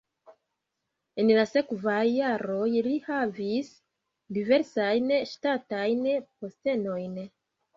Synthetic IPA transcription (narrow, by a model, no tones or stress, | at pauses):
enlase̞kvajːaɾo̞jlihavis | dive̞ɾsajnʃtatajnpo̞ste̞no̞jn